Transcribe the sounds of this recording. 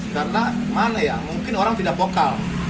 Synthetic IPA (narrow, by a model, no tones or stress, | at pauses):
kaɾəna | manajamuŋkɪnoɾaŋt̪idak̚bokal